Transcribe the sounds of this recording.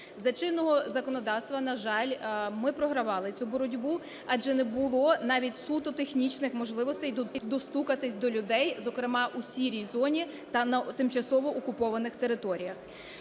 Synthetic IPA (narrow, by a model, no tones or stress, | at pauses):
zɐt͡ʃɪnːɔɦɔzɐkɔnɔd̪ɑwst̪ʋɐnɐʒɑlʲmɪpɾɔɦɾɐʋɑlˠɪt͡sʲubɔɾɔdʲbu | ɑʒɛnɛbʊlˠɔnɑʋʲitʲsut̪ɔt̪exnʲit͡ʃnɪxmɔʒlˠɪʋɔst̪ɛjd̪ɔd̪ɔst̪ukɐt̪ɪsʲd̪ɔlʲʊd̪ɛjzɔkɾɪmɑʔusʲiɾʲijzɔnʲi | t̪ɐnɐt̪ɪmt͡ʃɐsɔʋɔʔɔkʊpɔʋɐnɪxt̪eɾɪt̪ɔɾʲijɐx